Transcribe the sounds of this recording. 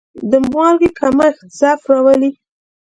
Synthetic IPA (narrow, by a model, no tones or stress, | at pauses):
d̪əmwɑɾɡekʰamaɪxt̪ɪsɑfɾɑwəli